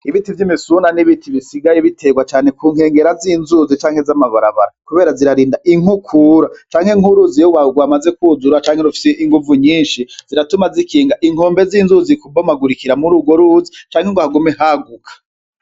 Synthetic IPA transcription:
iβitivjimisunaniβitʰiβisiɡajeβitʰe̞ɡwat͡ʃaːne̞kuːŋhe̞ːŋɡe̞ɾaziːnzuːzit͡ʃaːŋ̥he̞zamaβaɾaβa̰ɾakuβe̞ːɾaziɾaɾiːndaʔiŋukʰuɾat͡ʃaːŋhe̞ŋ̥uɾuzijowauɡwamazekuːzuɾat͡ʃaːŋheɾufi̥seʔiŋɡuvuɲiːnʃiz̥iɾatumazikʰiːŋɡaʔiŋ̥o̞ːmbe̞ziːnzuzikubomaɡuɾikiɾamuɾuɡwoɾuzit͡ʃaːŋheŋɡohaɡumeɦaɡukʰḁ

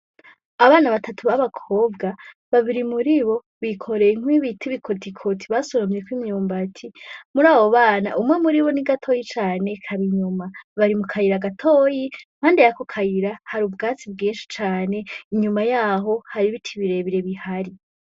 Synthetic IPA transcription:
aβaːnaβatʰatʰuβaβakʰo̞bɡa | βaβiɾimuɾiβo̞ | βikʰo̞ɾe̞jeŋ̥wiβitʰiβikʰotʰikʰo̞tʰiβasoɾomje̞kwimɲuːmbatʰimuɾaːβoβaːna̰ʔumŋe̞muɾiβo̞niɡatʰo̞jit͡ʃaːne̞kʰaɾiɲumaβaɾimukʰajiɾaɡatʰoːjim̥aːndejakokʰajiɾahaɾubɡaːt͡sibɡiːnʃi̥t͡ʃaːne̞iɲumajaːɦo̞haɾiβitʰiβiɾe̞βiɾe̞βihaɾi

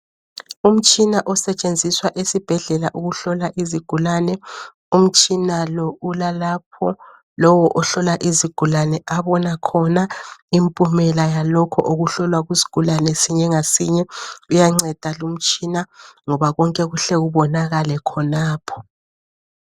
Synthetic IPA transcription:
um̩t͡ʃʼinaʔɔsɛt͡ʃʼend͡zʱiswaʔesib̥ʱɛɮɛlaʔuɣuɬɔlaʔiziɡ̥ʱulanɛ | um̩t͡ʃʼinalɔulalap̚ʰɔ | lɔwɔʔɔɬɔlaʔiziɡ̥ʱulanɛʔaβɔnakʰɔnaimpʼumɛlajalɔkʰɔʔoɣuɬɔlwaɣwizi̥ɡ̥ʱulanɛsiɲɛŋasiɲɛujaŋ͡ǀɛd̥ʱalum̩t͡ʃʼinaŋɔβaɣɔŋkʼɛɣuɬɛɣuβɔnaɣalɛkʰɔnaːpʰɔ̥

